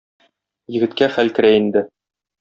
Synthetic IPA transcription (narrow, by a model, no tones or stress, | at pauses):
jɘ̆ɡɘ̆t̪kæχælkɘ̆ɾæind̪ɘ